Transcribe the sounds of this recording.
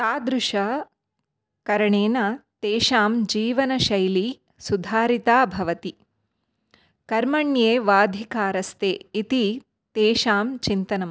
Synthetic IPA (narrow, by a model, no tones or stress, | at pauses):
t̪aːd̪ɾuʂɐ | kɐɾɐɳeːnɐt̪eːʃaːmd͡ʒiːʋɐnɐʃɐjli | sud̪ʱaːɾit̪aːbʱɐʋɐt̪i | kɐɾmɐɳjeːʋaːd̪ʱikaːɾɐst̪eːit̪i | t̪eːʃaːmt͡ʃint̪ɐnɐm